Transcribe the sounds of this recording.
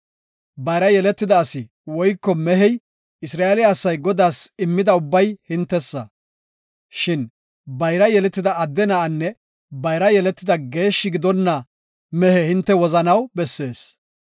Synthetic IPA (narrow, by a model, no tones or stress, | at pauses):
bɐjɾɐjɛlɛt̪ːɪd̪ɐːsɪ | wɔjkːɔmɛɦɛj | ɪsɾaːelɪːsːɐjɡɔd̪aːsɪmːɪd̪ɐʊbːɐjhɪnt̪ːɛsːɐ̰ | ʃɪn | bɐjɾɐjɛlɛt̪ːɪd̪ɐɐd̪ːɛnɐʔɐnːɛ | bɐjɾɐjɛlɛt̪ːɪd̪ɐɡe̞ːʃːɪɡɪd̪ɔnːɐ | mɛhɛhɪnt̪ːɛwɔzɐnɐwbɛsːe̞ːs